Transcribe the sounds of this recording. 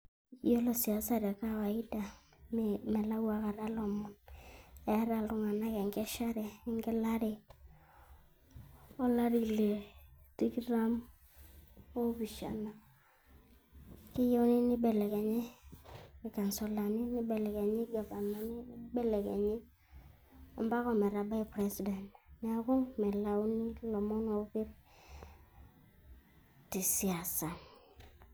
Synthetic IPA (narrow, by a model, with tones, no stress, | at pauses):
jo˦lɔ˨si˨a˨˦sa˨ɾɛ˨ka˦wa˨i˦da˨ | m˨mɛ˨la˦wa˨ka˨ɾa˦lɔ˨mɔ˨n | ɛ˨˦ɾa˨ltʊ˦ŋa˨na˦kɛ˨ŋɡɛ˦ʃa˦ɾɛ˨˦ŋɡɛ˦la˦ɾɪ˨ | ɔ˦la˦ɾi˨le˨ti˦kɾa˦m | o˦bi˨ʃa̰˨na˨ | ki˦jo˦nɪ˦nɪ˦bɛ˨lɛ˨ke˨ɲɛ˦ | nɪ˨ka˨nso˨la˨ni˦nɪ˦bɛ˨lɛ˨ke˨ɲi˦ɡa˨ba˨na˨nɪ˦n˦bɛ˦lɛ˨kḛ˨ɲi˦ | ɔ̰˨mba˦kɔ˦mɛ˨ɾa˨ba˦i˨pɾe˦si˨dɛ˨ntn˨a˨kɔ˦mɛ˨la˨wnɪ˦lɔ˨mɔ˦nɔ˨pi˦ɾ | ti˨si˨a˨sa˨n